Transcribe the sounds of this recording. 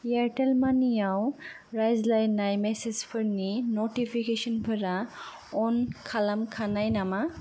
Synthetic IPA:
jaʈelmanijaw | ɾajzlajnːajmɛsed͡zpʰəɾninoʈipʰikeʃɔnpʰəɾa | ɔnkʰalamkʰanajnama

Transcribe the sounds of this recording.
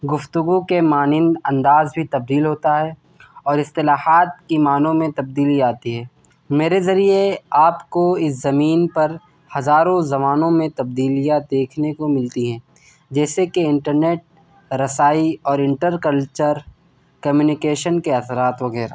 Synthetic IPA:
ɡʊft̪ʊɡukemaːnɪnɐ̃nd̪aːzbʱit̪ɐb̚d̪iːlɦoːt̪aɦɛ | ɔːɾɪst̪ɪlaːhaːt̪̚kimaːnõmẽt̪ɐb̚d̪iːliaːt̪iɦɛː | meːɾezɐɾieaːpkoɪszɐmiːnpɐɾ | hɐzaːɾõzɐmaːnõmẽt̪ɐb̚d̪iːlijad̪eːkʰnekomɪlt̪iɦɛ̃ː | d͡ʒɛːsekeɪ̃ɳʈəɾneːʈ̚ | ɾɐsaːiɔːɾɪ̃ɳʈəɾkɐlt͡ʃəɾ | kɐmjuːnɪkeːʃənkeɐsɾaːt̪ʋɐɣɛːɾa̰

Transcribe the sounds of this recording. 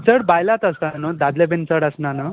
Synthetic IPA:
t͡səɽbajlat̪əsanəd̪ad̪lebent͡səɽəsnanə

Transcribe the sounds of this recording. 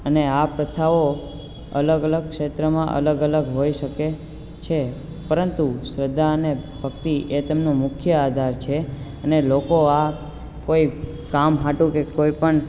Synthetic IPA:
əneapɾət̪ʰaʋo | ə̰ləɡələɡ̚kʃet̪ɾəmãʔə̰ləɡələɡɦoiʃəke | t͡ʃʰe | pəɾənt̪usɾəd̪ʱːaənebʱəkt̪iʔet̪əmnũmʊkʰjəad̪ʱaɾt͡ʃʰeənelokoa | koi | kamɦaʈũkekoipəɳ

